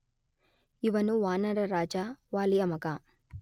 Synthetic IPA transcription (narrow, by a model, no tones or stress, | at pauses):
iʋɐnuʋaːnɐɾɐɾaːd͡ʒaːʋaːliɐmɐka